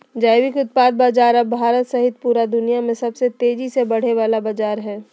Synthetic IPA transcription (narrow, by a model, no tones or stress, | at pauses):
d͡ʒaːɪʋɪkʊt̪̚paːd̪̚baːd͡ʒaːɾɐbʱaːɾət̪sɐɦɪt̪̚puːɾad̪ʊnijamẽsɐbset̪eːd͡ʒisebɐɽ̤eʋaːlabaːd͡ʒaːɾɦɛː